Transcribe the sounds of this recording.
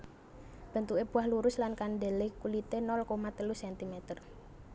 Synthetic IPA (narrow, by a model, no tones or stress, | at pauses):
b̥ə̤nt̪ueb̥ṳahluɾʊslankanɖelekulit̪enɔlkomat̪əlusɛnt̪imet̪ər